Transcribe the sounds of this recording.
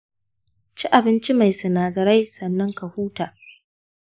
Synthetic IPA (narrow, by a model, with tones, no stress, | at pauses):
t͡ʃi˦ʔa˨bɪ˦nt͡ʃi˦ma˨jsɐ˨naː˨dɐ˨ɾa˦jsɐ˨nːɐ˦ŋka˨huː˦taː˨